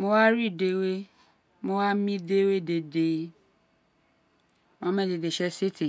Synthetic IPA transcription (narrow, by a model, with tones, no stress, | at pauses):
mõ˧wa˦ɾi˦˨de˨we˦ | mõ˧wa˦mĩ˦de˦we˦de˨de˨ | mã˦mɛ̃˦de˨de˨ʃɛ˦si˦ti˨